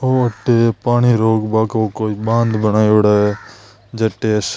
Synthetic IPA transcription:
oːɐʈːepaːɽiːɾoːɡbaːkoːkoːiɓãːnd̪bənaːioɽaː | d͡ʒɐʈːes

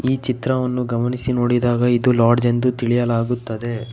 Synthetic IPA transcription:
iːt͡ʃit̪ɾɐʋɐnːuɡɐmɐnisino̞ːɽid̪aːɡɐid̪ulaːɾɖd͡ʒend̪ut̪iɭijɐlaːɡut̪ːɐd̪e̞

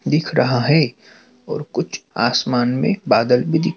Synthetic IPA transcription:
d̪ɪkʰɾɐɦaɦɛ | ɔ̰ːɾkʊt͡ʃʰa̰ːsmaːnmḛ̃baːd̪əlbʱid̪ɪk

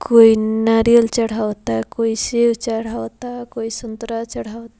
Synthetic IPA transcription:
koinaɾijəlt͡ʃəɽ̤awt̪akoisewt͡ʃəɽ̤awt̪akoisunt̪ɾat͡ʃɐɽ̤awt̪a

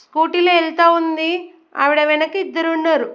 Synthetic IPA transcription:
skuːʈilɐɛlt̪aːund̪i | ɐ̰ʋiɽɐʋɛnɐkiid̪ːɐɾunːaːɾu

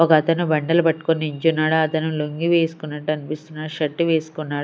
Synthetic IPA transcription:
ɔkɐːt̪ɐnubɐɳɖɐlɐpɐʈːu̥koniiɲt͡ʃunːaːɽuɐt̪ɐnuloŋɡiʋe̞ːsu̥kunːɐʈːɐnipist̪unːaʂɐʈːiʋe̞ːsu̥kunːaːɽ

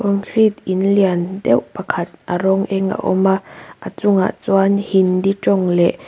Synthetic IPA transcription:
kɔŋkʰɾit̪ʔinliandɛwʔpakʰat̪̚ʔaɾɔŋʔɛŋa̰ʔɔ̰maʔat͡sʊŋa̰ʔt͡swanhindiʈ͡ʂɔŋlɛʔ

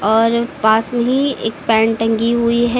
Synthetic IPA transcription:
ɔːɾpaːsmẽɦiḛːkpɛ̃ːɳʈɐ̃ŋɡiɦuiɦɛ

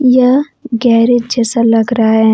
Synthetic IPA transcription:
jɐ | ɡɛɦɾed͡ʒɛːsalɐɡɾaɦaɦɛ

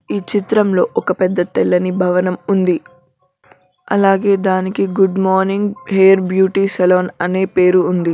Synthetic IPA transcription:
iːt͡ʃit̪ɾɐmlo̞ːʔɔkɐpɛd̪ːɐt̪ɛlːɐnibʱɐʋɐnɐmund̪i | ɐ̰laːɡe̞ːd̪aːnikiɡuɖmɔːɾniŋɡɦeːjɐɾbjuːʈisɛloːnɐne̞ːpe̞ːɾuːnd̪i

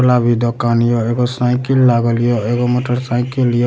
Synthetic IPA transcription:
labid̪ɔkanijoeɡɔsaj̃kilːaɡɔlijoeɡomɔʈʌɾsaj̃kilijo

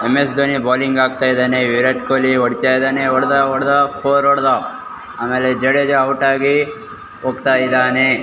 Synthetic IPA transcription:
emesd̪onibaːliŋɡaːɡ̚t̪aːjd̪aːneʋiɾɐʈ̚koliɔɽit̪aːjd̪aːneɔɽd̪aɔɽd̪apʰoːɾɔɽd̪a | aːmeːled͡ʒɐɽed͡ʒɐɐwuʈaːɡi | oːɡt̪aːjid̪aːne

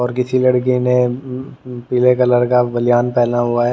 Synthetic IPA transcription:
ɔːɾkɪsilɐɽk̬inẽ | piːlekɐləɾkabɐlɪjaːnpɛːlaɦʊaɦɛ

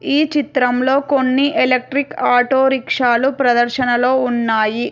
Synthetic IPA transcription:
iːt͡ʃit̪ɾɐmlo̞ːkonːiʔelek̚ʈɾikaːʈoːɾikʂaːlupɾɐd̪ɐɾʃɐnɐloːunːaːji

